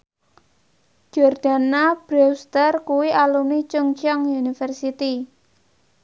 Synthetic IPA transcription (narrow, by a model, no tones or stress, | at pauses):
d͡ʒ̥ɔrd̥a̤nab̥ɾest̪ərkuwiʔalumit͡ʃuŋt͡ʃɔŋunifərsit̪i